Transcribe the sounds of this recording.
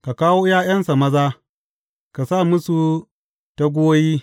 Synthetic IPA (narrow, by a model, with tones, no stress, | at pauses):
ka˨kaː˦woː˦jaː˦jɐ˦nsa˨mɐ˦zaː˦ | ka˨sa˦˨mʊ˦su˨ | ta˦ɡʷoː˦jiː˦